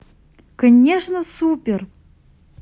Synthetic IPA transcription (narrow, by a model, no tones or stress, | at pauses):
kɐnʲeʂnəsupʲer